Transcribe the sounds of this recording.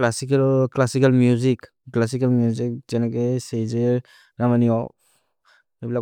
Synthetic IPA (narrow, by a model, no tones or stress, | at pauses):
lasiklklasikalmjuzik | klas̬ikalmjuzik̚zenakeseze | namaniɔ | ebila